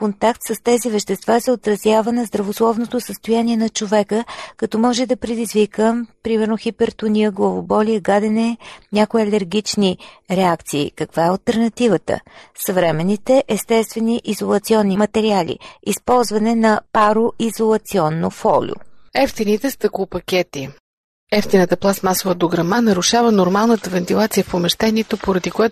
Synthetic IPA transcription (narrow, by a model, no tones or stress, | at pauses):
kont̪akt̪səst̪ɛzivɛʃt̪ɛst̪vazɛot̪ɾɐzʲjavənɐzd̪ɾɐvoslˠɔvnot̪osəst̪ojanʲiɛnɐt͡ʃovɛkəkɐt̪ɔmɔʒɛd̪ɐpɾɛd̪izvikəpɾimɛɾnoxipɛɾt̪ʊniəɡlˠɐvobɔliəɡad̪ɛnɛnʲakoɛɐlɛɾɡʲit͡ʃni | ɾɛakt̪sḭːkɐkvaɛɐəlˠt̪ɛɾnɐt̪ivət̪ə̰sɐvɾɛmɛnːit̪ɛʔɛst̪ɛst̪vɛniʔizolˠɐt̪siɔnːimɐt̪ɛɾialʲḭispɔlˠzvɐnɛnɐpaɾoʔizolˠɐt̪siɔnːofɔlʲo̰ɛft̪init̪ɛst̪əklˠʊpɐkʲɛt̪i | ɛft̪inət̪əplˠasmasovəd̪oɡɾɐmanɐɾuʃavənoɾmalˠnət̪əvɛnt̪ilˠat̪sijəfpomɛʃt̪ɛnit̪opoɾɐd̪ikoja